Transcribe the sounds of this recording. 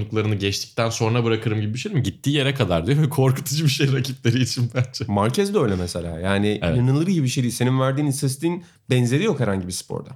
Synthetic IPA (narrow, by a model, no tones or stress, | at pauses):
nuklˠaɾɯnɯɟɛt͡ʃt̪ʰi̥c̚t̪ænso̞nɾabɯɾakʰɯɾɯmɟibibiʃejiimɟit̪ʰːiːje̞ɾɛkʰad̪aɾd̪yjovɛkʰo̞ɾkut̪ʰud͡ʒɯbiʃejɾacʰiplʲe̞ɾiit͡ʃʰinbænd͡ʒɛmaɾcʰɛzd̪ɛø̞jlʲɛmɛselʲa̰ːjaːnḭnɯnɯlˠɯɾijibiʃejise̞ninvæɾd̪iːnisɛs̬t̪ʲiːn | bɛnze̞ɾijo̞khɛɾhaɲɟibispʰo̰ɾd̪a̰